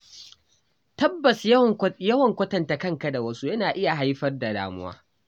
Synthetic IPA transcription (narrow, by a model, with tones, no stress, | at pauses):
tɐ˦bːɐ˨sjɐ˦wɐ˨ŋkʷɐ˦tɐ˨nta˨kɐ˦ŋka˨da˨wɐ˦su˦jɐ˦naː˨ʔɪ˦ja˨ɦa˦jɸɐ˦rda˨da̰ː˨mʊ̰˦wa̰ː˦